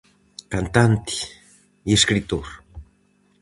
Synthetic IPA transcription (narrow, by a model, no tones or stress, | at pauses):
kant̪ant̪i̥ | eskɾit̪oɾ